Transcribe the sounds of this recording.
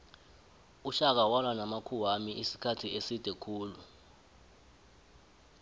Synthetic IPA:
uʃak̬awanwanamakʰuwamiʔisi̥kʰatʰiesid̥ʱɛkʰuːlu

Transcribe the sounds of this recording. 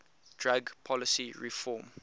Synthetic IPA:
d̥ɹaɡpʰɔləsiɹifɔm

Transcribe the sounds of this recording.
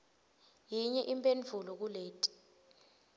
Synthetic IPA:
jiɲɛʔimpʼenvʱulɔk̬uleːtʼi̥

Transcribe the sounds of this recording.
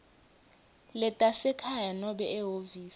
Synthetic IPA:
lɛtʼasɛkʰajanɔɓɛɛɦoviːs

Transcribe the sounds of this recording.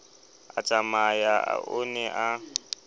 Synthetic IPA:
at͡ʃʼamajaa̰ʔʊnɛʔa

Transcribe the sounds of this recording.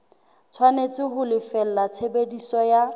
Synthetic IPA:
t͡sʰwanet͡sʼɪɦʊlɪfɛl̩lat͡sʰebedisɔja

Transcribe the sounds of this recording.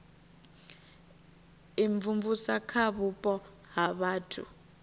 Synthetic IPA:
iɱvuɱvusakʰaɓupʼɔ | ɦaɓaːtʰṵ

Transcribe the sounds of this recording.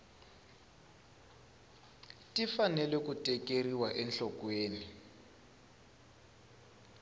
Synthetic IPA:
tifanɛlɛkutʼɛkʼeriwaʔɛnɬɔkweːni

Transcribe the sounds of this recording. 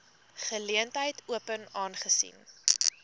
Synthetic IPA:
χəliəntɦəjtuəpənɑːnχəsḭn

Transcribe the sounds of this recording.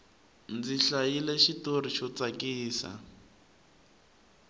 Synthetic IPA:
nd͡ziɬajileʃitoriʃɔt͡sakiːsa̰

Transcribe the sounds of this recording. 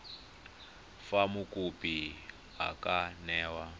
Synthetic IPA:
famukʼupi | ɦa̰kanɛːwa

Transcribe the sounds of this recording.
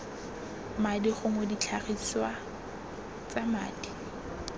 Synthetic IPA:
madiχʊmodit͡ɬʰaχit͡swa | t͡sama̰ːdi

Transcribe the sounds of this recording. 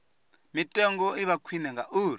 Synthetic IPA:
mitʼɛŋɡɔiβakʰwinɛŋɡaʔuːɾ

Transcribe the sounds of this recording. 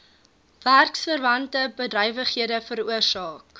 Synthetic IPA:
værksfərvɐntəbədrœjvəχhiədəfəɾuərsɑːk

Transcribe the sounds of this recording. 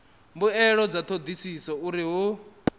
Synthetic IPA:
mbuɛɺɔd͡zat̪ʰod̪isisɔuɾiɦu

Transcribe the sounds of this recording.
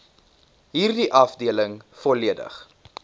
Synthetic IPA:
ɦiːrdiʔɐfdiələŋfɔliədə̰χ

